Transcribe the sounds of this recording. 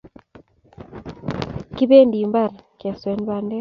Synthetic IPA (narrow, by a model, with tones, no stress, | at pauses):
ki˦be˦ndi˨mba˦˨ɾkɛ˨swɛ˨˦n˦ba˨ndɛ˦